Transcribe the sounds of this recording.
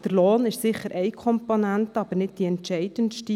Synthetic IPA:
d̥ərloːnɪʃsɪχəɾʔɛɪkʰɔmponæntɑb̥əɾnɪt̚d̥iɛntʃɛɪd̥ənʃti

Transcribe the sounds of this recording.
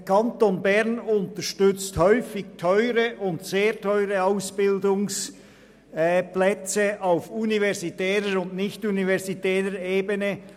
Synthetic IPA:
kʰɑntonbɛʁnʊnt̪əʃtʏt͡sthœʏfɪɡtʰœʏʁəʔʊntseːʁtʰɔʏʁəaʊsb̥ɪldʊŋs | plɛt͡səʔaʊfunivɛʁzitɛːʁəɾʊndnɪçtunivɛʁsitɛːʁəɾeːbənə

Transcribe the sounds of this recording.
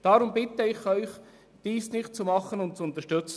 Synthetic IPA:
d̥ɑɾʊmbɪt̪əɪχœʏχ | d̥iːsnɪχt̚t͡sumɑχənʊnt̚t͡sʊnt̪əʃtʏt͡sə

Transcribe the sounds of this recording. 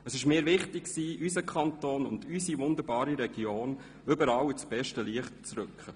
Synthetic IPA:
əsɪʃmɪːɾvɪχtɪkksiːys̬əkʰɑntoːnʊndysivʊnd̪əɾbɑːɾiɾɛɡjoːn | ʏbəɾɑwɪt͡sb̥ɛʃtəliəχtt͡sɾʏkχə

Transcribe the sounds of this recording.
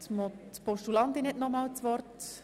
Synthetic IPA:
t̪motpɔʃtulɑnt̪inɪtnɔmɑːlt͡sʋɔrt

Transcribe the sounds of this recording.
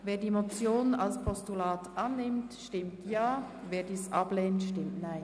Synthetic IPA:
veːdiːmot͡sjoːnalspʰɔstulaːtʔanːɪmtʃtɪmtʰjaː | veːɐdiːsʔa̰bleːntʃtɪmtnaɪn

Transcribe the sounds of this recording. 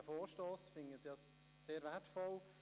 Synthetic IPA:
əfoːɾʃtɔːsfɪŋətɑsː | eːɾvɛtfɔl

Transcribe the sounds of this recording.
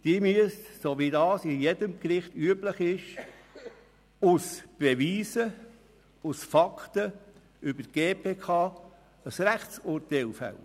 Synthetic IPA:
d̥̪iəmyəstsoːʋidɑːsɪjɛdəmkɾɪχtyəbləχɪʃ | usb̥eʋiːsə | usfɑktə | ʏbəɡ̥eːpʰeːkʰɑː | əsɾæχsʊɾtɛlfæ̰lə

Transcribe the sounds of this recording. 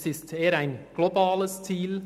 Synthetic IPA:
sɪsteːəɾæɪnɡ̥lobɑːləst͡siːl

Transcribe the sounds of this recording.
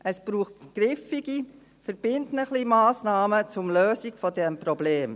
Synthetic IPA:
ʔəsb̥ɾuːχtɡ̥ɾɪfiɡ̥i | fəɾb̥ɪntnəχlimaːsnɑːmət͡sʊmløːsikfɔdɛmpɾɔbleːm

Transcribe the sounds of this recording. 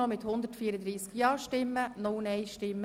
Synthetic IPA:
ɔmɪt̪hʊnd̪ətfiːɾəd̪ɾiːskjɑːʃtɪmːənʊlnɛɪʃtɪmːə

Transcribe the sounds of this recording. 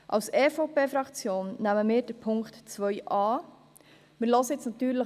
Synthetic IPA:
ʔɑ̰wsɛːfopeːfɾɑkt͡sjoːnːæməmɪːɾd̥əpʰʊŋktt͡sʋœʏʔɑː | mɪːɾlɔsəjɛt͡snɑt̪yːɾlə

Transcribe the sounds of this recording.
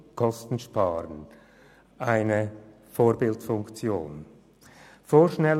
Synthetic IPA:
kʰɔstn̩ʃpaːɾən | ʔaɪnə | foːɾbɪltfʊŋkt͡sjoːn | foːʃnɛl

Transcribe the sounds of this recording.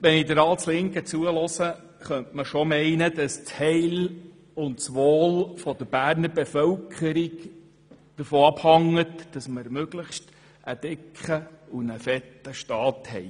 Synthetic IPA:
ʋɛnidəɾɑlslɪŋkət͡suəlɔsə | χœntməʃɔmɛɪnəd̥ɑst͡shɛɪl | ʊntsʋoːlfɔd̪əɾb̥æːɾnəɾbefœwkʰəɾik | d̥əɾfoːɑb̥hɑŋːətd̥ɑsməɾmøɡ̥ləχʃt | ʔəd̥ɪkχəunəfɛtːəʃtɑːthɛ̰ɪ

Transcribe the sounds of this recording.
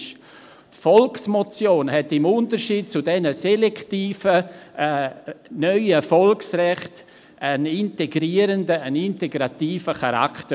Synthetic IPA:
ʃ | tfɔlksmɔt͡sjoːnɦɛtɪmʊntəɾʃiːd̚t͡sudɛnəsɛlɛktiːfə | nœʏəfɔlksrɛχt | əninteɡɾiːəɾəndəəninteɡɾatiːfəχaɾa̰kʰtə

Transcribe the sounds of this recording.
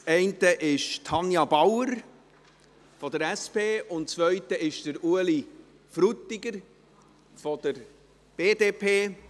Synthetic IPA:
t͡sɛɪntəʔɪʃtʰɑnjɑbawəɾ | fɔd̪əɾɛspeːʔʊntt͡sʋœʏtəɪʃd̥əɾuəli | fɾutːiɡəɾ | fɔd̥əɾ | b̥eːdeːpʰeː

